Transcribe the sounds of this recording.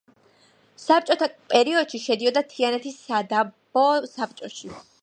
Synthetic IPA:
sap̚t͡ʃʼɔt̪ʰapʼɛɾiɔd̪̥ʃiʃɛd̪iɔd̪at̪ʰianɛt̪ʰisad̪ab̥ɔsap̚t͡ʃʼɔʃi

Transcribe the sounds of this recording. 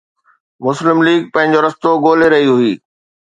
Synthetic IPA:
mʊslɪmliːɡ̚pɐ̃ɦɪ̃ɲ̆d͡ʑoɾɐst̪oɡoːleɾɐɦiɦʊiː

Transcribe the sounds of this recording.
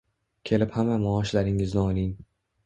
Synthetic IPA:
kʲʰe̞lɪphamamɒːʃlaɾɪŋɪznɪɒlin

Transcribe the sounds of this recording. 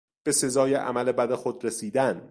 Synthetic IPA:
b̥e̞se̞zɒːjeʔæ̰mæle̞bæd̪exod̪ɾesiːd̪æn

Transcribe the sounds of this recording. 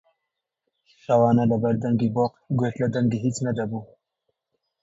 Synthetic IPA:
ʃɑwɑːnalabaɾd̪aŋɡiboqɡot̪lad̪aŋɡiɦit͡snad̪abu

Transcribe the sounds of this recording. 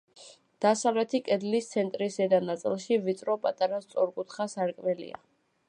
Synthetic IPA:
d̪̥asavlɛt̪ʰikʼɛd̪list̪sʰɛnt̪ʼɾisɛd̪anat̪sʼḭlˠʃivit̪sʼɾɔpʼat̪ʼaɾast̪sʼɔɾkʼut̪χasaɾkʼmɛlḭa̰

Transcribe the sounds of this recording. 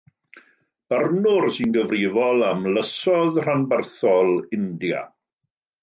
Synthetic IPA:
b̥ərnʊrsinɡəvrɪvɔlˠamləsɔðr̥anbərθɔlˠɪndja̰

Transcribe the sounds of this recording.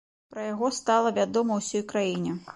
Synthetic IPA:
pɾɐjaɣɔst̪alˠɐvʲad̪ɔmɐwsʲɔjkɾajinʲɛ

